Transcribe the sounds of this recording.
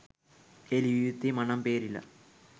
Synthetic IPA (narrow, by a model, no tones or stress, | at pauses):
eliijut̪ːimɐɳɐmpeːɾilːɐ̰